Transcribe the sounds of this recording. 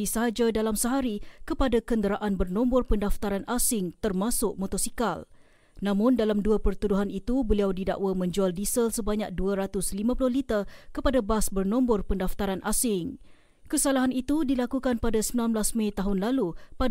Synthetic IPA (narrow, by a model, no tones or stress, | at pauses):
isəɦad͡ʒadalamsəɦaɾikəpadakəndəɾaʔanbərnɔ̃mbɔrpəndaft̪aɾanʔasɪŋt̪ərmasʊʔ̚mɔt̪osikal | nãmʊ̃ndalamduapərt̪uduɦanit̪ubəliawdida̰ʔwamə̃ɲd͡ʒualdisəlsəbaɲak̚duaɾat̪ʊslimãpulʊhlit̪akəpadabasbərnɔmbɔrpəndaft̪aɾanʔasɪŋ | kəsalaɦanit̪udilakukanpadasəmilanblasmãt̪aɦʊnlalupa